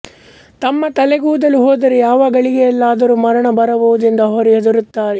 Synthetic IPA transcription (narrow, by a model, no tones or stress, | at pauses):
t̪ɐmːɐt̪ɐleɡuːud̪ɐlːuɦoːd̪ɐɾɛjaːʋaːɡɐɭiɡɛjɐlːaːd̪ɐɾumɐɾɐɳɐbɐɾɐbuʋud̪ind̪ɐɦoɾiɦɐd̪ɐɾut̪ːaːɾɛ